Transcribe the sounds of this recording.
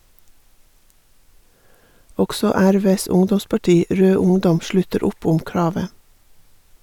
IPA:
ˈɔksɔ ˈæɾˌʋeːs ˈʊŋdɔmspɑˌʈiː ˈɾøː ˈʊŋdɔm ˈʃlʉtəɾ ˈʊp ˈʊm ˈkɹɑːʋə

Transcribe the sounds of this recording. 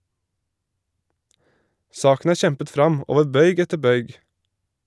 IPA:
ˈsɑːkn̩ ˈæː ˈʃɛmpət ˈfɾɑm ˈoːʋə ˈbœʏɡ ˈɛtə ˈbœʏɡ

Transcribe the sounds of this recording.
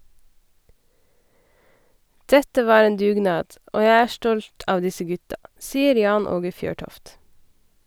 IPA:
ˈdɛtə ˈʋɑː ˈeːn ˈdʉːˌɡnɑːd ˈoː ˈjæɪ ˈæː ˈstɔlt ˈɑːʋ ˈdɪsə ˈɡʉtɑ ˈsiːəɾ ˈjɑːn ˈoːɡə ˈfjøːˌʈɔft

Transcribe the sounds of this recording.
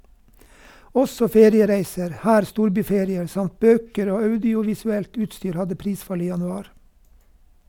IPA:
ˈɔsɔ ˈfeːɾɪəˌɾæɪsəɾ ˈhæːɾ ˈstuːɾˌbyːˌfeːɾɪəɾ ˈsɑmt ˈbøːkəɾ ˈoː ˈɑʉdɪʊʋɪsʉˌɛlt ˈʉːtˌstyːɾ ˈhɑdə ˈpɾiːˌsfɑl ˈiː jɑnʉˈɑːɾ

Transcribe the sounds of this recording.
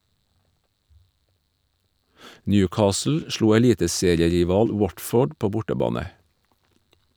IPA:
ˈnjʉːˌkɑːsl̩ ˈʃɭuː ɛˈliːtəˌseːɾɪəɾɪˌʋɑːl ˈwɔtˌfoːɖ ˈpoː ˈbʊʈəˌbɑːnə

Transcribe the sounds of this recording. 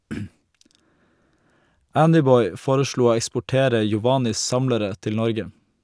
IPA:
ˈændɪˌbɔʏ ˈfoːɾəˌʃɭuː ˈoː ɛkspʊˈʈeːɾə jɔˈʋɑːnɪs ˈsɑmləɾə ˈtɪl ˈnɔɾɡə

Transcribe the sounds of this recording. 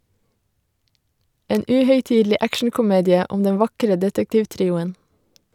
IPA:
ˈeːn ˈʉːhœʏˌtiːdl̩ˌiː ˈʔækʃɳ̩kʊˌmeːdɪə ˈʊm ˈdɛn ˈʋɑkɾə ˈdɛtəktɪʋˌtɾiːʊən

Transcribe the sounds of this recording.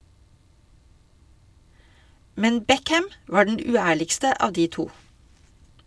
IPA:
ˈmɛn ˈbɛkæm ˈʋɑː ˈɖɛn ˈʉːˌæːɭɪkstə ˈɑː ˈdiː ˈtuː

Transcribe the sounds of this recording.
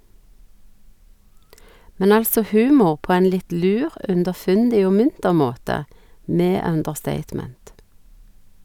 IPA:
ˈmɛn ˈɑlsɔ ˈhʉːmʊʁ ˈpoː ˈɛn ˈlɪt ˈlʉːʁ ʉndəˈfʉndɪ ˈoː ˈmʉntəʁ ˈmoːtə ˈmeː ˈœndəʁˌsteɪtˌmɛnt

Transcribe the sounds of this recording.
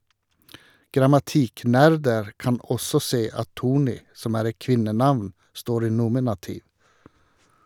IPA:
ɡɾɑmɑˈtiːˌknæɾdəɾ ˈkɑn ˈɔsɔ ˈseː ˈɑt ˈtuːˌɳiː ˈsɔm ˈæːɾ ˈɛt ˈkʋɪnəˌnɑʋn ˈstoːɾ ˈiː ˈnuːmɪnɑtɪʋ

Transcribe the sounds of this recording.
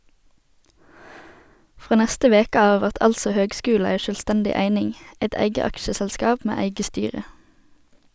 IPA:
ˈfʁoː ˈnæstə ˈʋeːkə ˈɑː ˈʋæʁt ˈɑlsɔ ˈhøːɡˌskʉːl̩ ˈæɪ ʃœlˈstɛndɪ ˈæɪnɪŋ ˈɛt ˈæɪɡə ˈɑkʃəsɛlˌskɑːp ˈmeː ˈæɪɡə ˈstyːʁə

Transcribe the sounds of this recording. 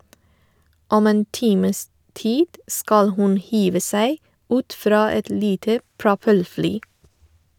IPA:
ˈɔm ˈeːn ˈtiːməs ˈtiːd ˈskɑl ˈhʉn ˈhiːʋə ˈsæɪ ˈʉːt ˈfɾɑː ˈɛt ˈliːtə pɹʊˈpɛlˌflyː

